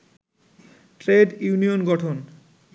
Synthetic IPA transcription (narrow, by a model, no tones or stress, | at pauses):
ʈɾeɖjunijonɡɔʈʰon